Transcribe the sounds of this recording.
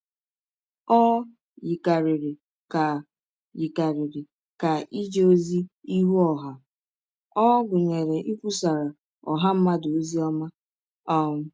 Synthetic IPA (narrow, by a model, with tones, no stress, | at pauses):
ɔ˦ | ji˨ka˨ɾɪ˨ɾɪ˨ | ka˨ | ji˨ka˨ɾɪ˨ɾɪ˨ | ka˨ʔi˦d͡ʒe˦o˦zi˦i˦ɦu˦ɔ˨ɦa˦ | ɔ˦ɡʊ˨ɲe˨ɾe˨ʔi˦kʷu˦sa˨ɾa˨ | ɔ˨ɦa˦m̩˦ma˦do˨o˦zi˦ɔ˦ma˦ | ɔ˦ŋʊ˦